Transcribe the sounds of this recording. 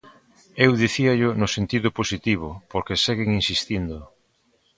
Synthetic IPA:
ewðiθiaʎʊnʊsent̪iðʊposit̪iβ̞ʊpoɾkeseɣeŋinsist̪ind̪ʊ

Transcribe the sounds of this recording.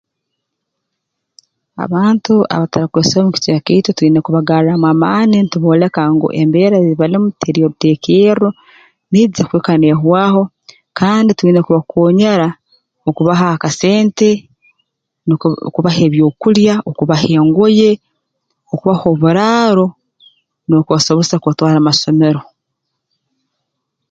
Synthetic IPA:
a̰βaːntua̰βataɾakweːsahomuki̥t͡ʃaketotuɾiːnekuβaɡaːɾamwamaːninituβoːle̞kaŋɡo̰ʔembeːɾaziiβalimutʰeɾioɾutekero | niːzekweːkaneɦwaːho̞ | kaːndituɾiːnekuβakoːɲaɾa | okuβaɦakase̞ːnte̞ | kuβahe̞ːβjo̞ːkuljaokuβaheːŋɡoje̞ | okuβaho̞βuɾaːɾo̞ | nokuβaso̞βosakotwaːɾamaso̞me̞ɾo̞

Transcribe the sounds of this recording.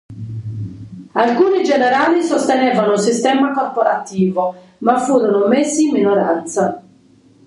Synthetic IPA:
alkuːnid͡ʒɛneɾaːlisost̪enɛːvanosist̪ɛːmakorpoɾat̪iːvo | mafːuːɾɔnomesːiːmːinoɾa̰nt̪sa

